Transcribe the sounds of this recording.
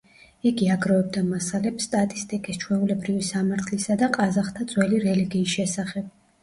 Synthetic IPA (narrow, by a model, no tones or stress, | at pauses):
iɡiaɡɾɔɛb̚d̪amasalɛpsːt̪ʼat̪ʼist̪ʼikʼist͡ʃʰwɛulɛbɾivisamaɾt̪ʰlisad̪aqʼazaχt̪ʰad̪zʼwɛliɾɛliɡiːsʃɛsaχɛb̥̚